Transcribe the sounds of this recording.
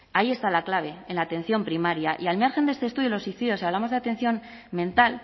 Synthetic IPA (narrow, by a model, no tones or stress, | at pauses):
aie̞st̪alaklaβ̞e̞enlaːt̪ẽ̞n̟θjo̞mpɾimaɾjaʔialmjaɾxe̞nd̪est̪e̞st̪uðjolo̞suiθiðjo̞siaβlamoðeat̪ẽ̞n̟θjo̞m | mẽ̞nt̪al